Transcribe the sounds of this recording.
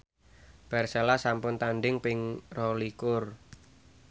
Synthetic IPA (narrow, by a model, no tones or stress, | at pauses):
b̥ɛ̤rselasampʊnt̪anɖɪŋpɪŋrɔlikʊr